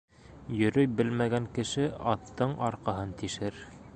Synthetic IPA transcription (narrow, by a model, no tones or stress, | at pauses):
jɵ̆ɾɵjbɘlmæɡæŋkɘ̆ʃɘɑt̪ːɤɴɑɾqɑɦɤnt̪iʃɘɾ